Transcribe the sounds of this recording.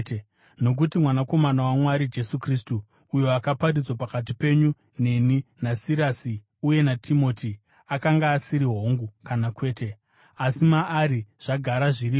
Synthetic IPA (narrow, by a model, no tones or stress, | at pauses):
no̞k̬utimwanako̞manawamwaɾid͡ʒe̞sukristuː | jo̞akaparid͡zwapakat̬ipe̞ɲu | ne̞ninasiɾasi | uje̞natʰimo̞ːti | akaŋɡaːsiɾiɦo̞ŋɡukanakwe̞ːte | asimaʔːɾiʐ̥aɡʱaɾaʐiriːo